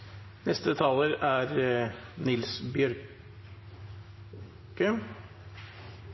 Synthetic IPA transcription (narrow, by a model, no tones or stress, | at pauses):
nɛst̪ət̪ʰɑːləɾæɾnɪlsbjœɾ | kə